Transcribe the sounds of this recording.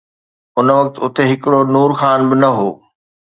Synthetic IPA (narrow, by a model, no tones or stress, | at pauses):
ʊnʋɐk̚t̪ʊt̪ʰeɦɪkɪɽonuːɾxaːnbɪnɐɦoː